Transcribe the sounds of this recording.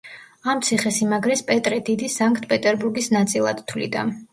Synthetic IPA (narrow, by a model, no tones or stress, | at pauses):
amt̪sʰiχɛsimaɡɾɛspʼɛt̪ʼɾɛd̪id̪isaŋkʰʼt̪ʰʼpʼɛt̪ʼɛɾbuɾɡisnat̪sʼilˠa̰d̪t̪ʰwlḭd̪a̰